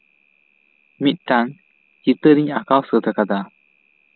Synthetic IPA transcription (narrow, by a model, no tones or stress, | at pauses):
mit̪̚ˀʈaŋ | t͡ʃit̪əɾiɲakawsəd̪akad̪a